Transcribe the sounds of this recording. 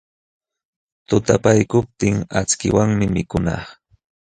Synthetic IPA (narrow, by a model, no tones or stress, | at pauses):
t̪ʊt̪apajkʊp̚t̪ɪŋat͡skɪwaŋmɪmɪkʊnɑ̰χ